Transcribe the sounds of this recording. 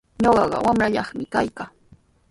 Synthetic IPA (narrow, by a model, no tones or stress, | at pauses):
ɲoɢɑɢɑ̰wamɾaʎɑχmɪkajka